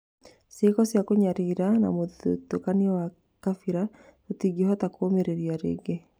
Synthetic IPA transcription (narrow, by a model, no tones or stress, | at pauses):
sekɔsjakoɲaɾiɾana̰motokaniɔwa | kafiɾa | totiɡiehɔtakomeɾeɾiaɾḛːɡe